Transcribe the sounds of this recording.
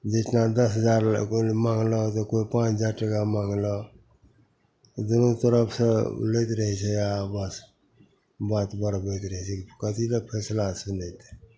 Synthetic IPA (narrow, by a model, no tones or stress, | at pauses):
d͡ʒetnad̪əsɦəd͡ʒaɾmãŋɡlɔt̪ɔkoipãt͡ʃʰd͡ʒaɾʈəkamaŋɡlɔ | d̪unot̪əɾəpʰsəlet̪ɾəɦɛt͡ʃʰɛabəs | bat̪bəɾbojt̪ɾəɦɛt͡ʃʰɛkikət̪iləpʰɛslasunet̪e̥